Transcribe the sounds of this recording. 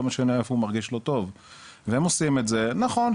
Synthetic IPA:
maʃaniefhumaʁɡiʃlo̞t̪o̞v | vehemosimetzenaχo̞n

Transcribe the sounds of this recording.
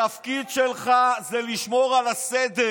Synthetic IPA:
afkidʃelχazɛliʃmoʁalased̪e

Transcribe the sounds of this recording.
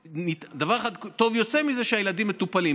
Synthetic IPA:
nitd̪avaʁeχad̪t̪o̞vjo̞t͡semize̞ʃeajelad̪imːe̞t̪upali

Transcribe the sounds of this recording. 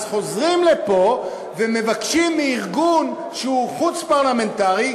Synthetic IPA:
zχo̞zʁimlepo̞ | veme̞vakʃimːiːʁɡun | ʃeuχut͡spaʁlame̞ntaʁi

